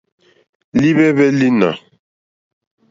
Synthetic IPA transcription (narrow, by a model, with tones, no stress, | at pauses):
li˦βɛ˦βɛ˦li˦na̰˨